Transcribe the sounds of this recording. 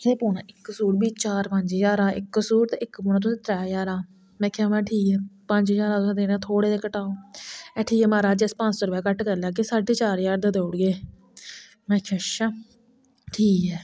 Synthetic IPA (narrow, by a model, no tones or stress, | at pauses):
eːpoːnãːɪkːəsuːɾbiːt͡ʃaːɾpəɲd͡ʒjaːɾaːʔɪkːəsuːɾt̪eːɪkpoːnãːt̪̬ʊsĩːt̪ɾɛːjaːɾaː | mɛ̃ːkʰɛːmãːʈʰiːkɛːpə̃ɲd͡ʒjaːɾãːt̪ʊsãːd̪eːnãːt̪ʰoːɽeːd̪eːkəʈaːoːɛːʈʰiːkɛmaːɾaːd͡ʒespə̃nt͡ʃsɔːɾʊpɛːkəʈkəɾlaːesaːɖeːt͡ʃaːɾjaːɾd̪ed̪eːʊɽɡeː | mɛ̃ːkʰeʃaː | ʈʰiːkɛː